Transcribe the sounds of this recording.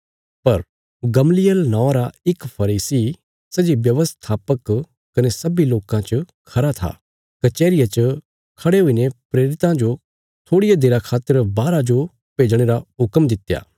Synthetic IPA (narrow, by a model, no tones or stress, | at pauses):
pɐɾ | ɡɐmlɪjəlnɔ̃ːɾaɪkpʰɐɾiːsi | sɐd͡ʒibjɐʋəst̪ʰaːpək | kɐnesɐbiloːkãt͡ʃə | kʰɐɾat̪ʰa̰ː | kɐt͡ʃeːɾɪjat͡ʃə | kʰɐɽeɦuinepɾeːɾɪt̪ãd͡ʒo | t̪ʰoːɽɪjad̪eːɾakʰaːt̪ːəɾbaːɾad͡ʒo | peːd͡ʒɽ̃eːɾaɦʊkəmd̪ɪt̪ja̰ː